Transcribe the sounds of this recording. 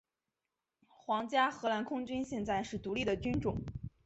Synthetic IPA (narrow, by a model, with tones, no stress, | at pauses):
xwɑ˧˥ŋt͡ɕja˥xɤ˧˥la˧˥nkʰʊ˥ŋt͡ɕy˥nɕjɛ˥˧nt͡sa˥˧ɪʂɻ̩˥˩t̪u˧˥li˥˩d̪ə˩t͡ɕy˥nʈ͡ʂʊ˨˩˦ŋ